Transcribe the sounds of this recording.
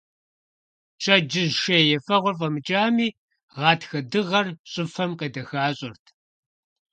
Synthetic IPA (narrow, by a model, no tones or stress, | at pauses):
t͡ʃʰʼɐd͡ʒɪzʃɐjɛfɐʁʷɔrfʼɐmɨt͡ʃʼaːmiː | ʁɑːtʰxɐdɨʁɐrɕʼʊfɐmqeːdɐxaːɕʼɪrtʰ